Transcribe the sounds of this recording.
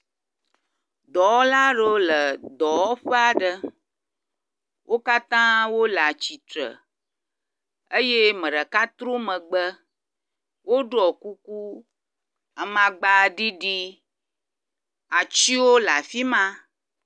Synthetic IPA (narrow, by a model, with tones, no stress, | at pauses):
d̪ɔ˨ɔ˦la˦ɖo˦lə˨d̪ɔ˨wɔ˦ɸe˦a˨ɖə˦ | wʔo˦ka˦t̪ã˦wo˦la˨t͡ɕi˨t̪ɾə̰˨ | ə˦je˦mə̃˨ɖə˨ka˦t̪ɾo˦mə̃˨ɡ͡bə˦ | wʔo˦ɖo˦ɔ˨ku˦ku˦ | a˨mã˨ɡ͡ba˦˨ɖi˦ɖi˦ | a˨t͡ɕi˦wo˦la˨fi˦mã˦